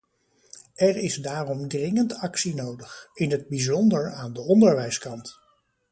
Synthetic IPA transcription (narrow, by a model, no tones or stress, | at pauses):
ɛɹɪzdaːrɔmdrɪŋəntɑksinowdəχɪnɦəd̚bizɔndəɹaːndəɔndəɹʋɛjskɑnt